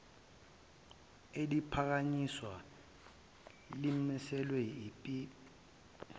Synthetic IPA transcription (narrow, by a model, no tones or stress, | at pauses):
elipʰak̬aɲiswa | limisɛlwɛipʼi